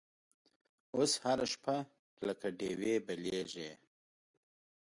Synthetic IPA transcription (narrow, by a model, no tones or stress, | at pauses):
oshaɾaʃpʰa | ləkaɖeːwebɐleʒe